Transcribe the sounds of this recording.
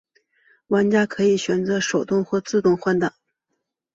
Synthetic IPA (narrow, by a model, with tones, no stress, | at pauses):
wa˧˥nt͡ɕja˥kʰɤ˧˥i˨˩ɕɥɛ˨˩nt͡sɤ˧˥ʂo˨˩ʊt̪ʊ˥˧ŋxwɔ˥˧t͡sɹ̩˥˧t̪ʊ˥˧ŋxwa˥˩nd̪ə˨˩˦